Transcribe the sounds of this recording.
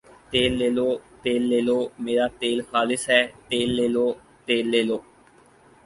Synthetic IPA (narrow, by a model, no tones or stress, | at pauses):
t̪eːlːeːloːt̪eːlːeːloːmeːɾaːt̪eːlxaːlɪsɦɛːt̪eːlːeːloː | t̪eːlːeːloː